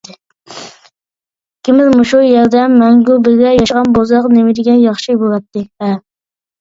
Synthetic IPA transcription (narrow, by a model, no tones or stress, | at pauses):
kʲʰːɪmɪzmuʃujɛɾd̪ɛmːɛŋɡʲulˠbɪzɡʲɛjɑʃʁɑnbozqnemɪd̪ɪɡʲɛnjɑχʃibolˠɑt̪ːɪvɛ